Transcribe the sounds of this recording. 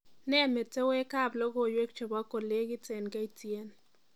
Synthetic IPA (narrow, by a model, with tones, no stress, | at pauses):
nɛ˦˨me˨te˦we˦ka˦˨blɔ˦ɡo˦˨jwe˦k̚t͡ʃɔ˨ba˦ko˨le˦ɡɪ˦te˨nka˦i˦tje˦n